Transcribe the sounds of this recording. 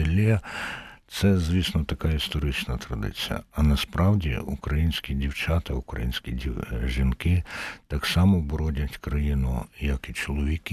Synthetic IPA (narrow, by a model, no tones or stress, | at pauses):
ɪlʲɛ | t̪sɛzʲʋʲisnɔt̪ɐkɑist̪ɔɾɪt͡ʃnɐt̪ɾɐd̪ɪ̰t͡sʲijɐ̰ɐnɐspɾɑwdʲḭṵkɾɐjinʲsʲkʲidʲiwt͡ʃɑt̪ɐukɾɐ̰jinʲsʲkʲiiʒinkɪt̪ɑksɑmɔbɔɾɔdʲɐtʲkɾɐjinʊ̰jɐkit͡ʃɔlˠɔʋʲik